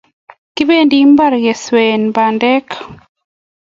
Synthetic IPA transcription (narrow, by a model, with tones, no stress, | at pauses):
ki˦βe˦ndi˦mba˦ɾɣɛ˨swɛ˨nba˨ndɛ˦kḁ˨